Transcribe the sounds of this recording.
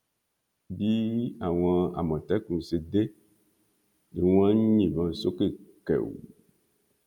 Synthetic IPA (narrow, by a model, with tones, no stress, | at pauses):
bi˦a˨w̃ã˨a̰˨mɔ̃˨t̪ɛ˦kũ˨se˨d̪e˦ | e˨wũ˦ã˦ɲ̃˦ɲĩ˨vã˨˦so˦ke˦˨kɛ̰˨wṵ˨